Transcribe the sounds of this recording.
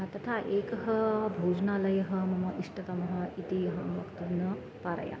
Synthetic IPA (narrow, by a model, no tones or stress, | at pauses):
t̪ɐt̪ʰaʔeːkɐɦɐbʱuːd͡ʒnalɐjɐɦɐmɐmɐʔiʂʈɐt̪ɐmɐɦɐ̆it̪ijɐɦɐmʋɐkt̪unɐ | paɾɐ̰ja̰